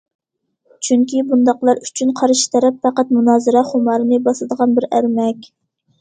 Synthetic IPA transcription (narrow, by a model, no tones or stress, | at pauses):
t͡ʃʰyŋkʲʰibund̪ɑqlˠɑɾyt͡ʃʰynqʰɑɾɨʃi̥t̪ʰɛɾɛpfæqæt̪munɑːzɨɾɑχʊmɑɾɨnɨbɑslˠɨd̪əʁɑnbɪɾæɾmɛkʲ